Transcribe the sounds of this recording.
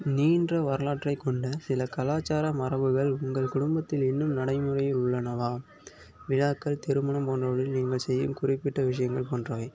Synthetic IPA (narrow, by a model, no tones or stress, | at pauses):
niːndrɐʋɐɾɐlaːʈrɐɪkːɔɳɖɐsɪlɐkɐlaːt͡ʃːaːɾɐmɐrɐʋɯɣɐɭʊŋɡɐɭkʊɽʊmbɐt̪ːɪlɛnːɯmnɐɽɐɪmɯrɐjɪlʊɭːɐnɐʋaː | ʋɪɻaːkːɐɭt̪ɛɾɯmɐɳɐmpoːndrɐʋɐɽɪlniːŋɡɐɭsɛjːɯ̰mkʊrɪpːɪʈːɐʋɪʂ̬ɐjɐŋɡɐɭpoːndrɐʋɐɪ